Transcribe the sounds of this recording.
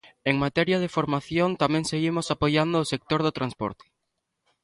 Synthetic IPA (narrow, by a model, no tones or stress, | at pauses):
eŋmat̪ɛɾjɐð̞efoɾmaθjont̪amɛ̃ŋseɣimʊsapojand̪oːsek̚t̪oɾð̞ot̪ɾʔanspɔ̰ɾt̪ɪ̥